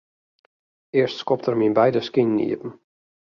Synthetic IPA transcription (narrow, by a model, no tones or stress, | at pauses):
ɪərstskɔp̚tərminbɛjdəskinːḭəpn̩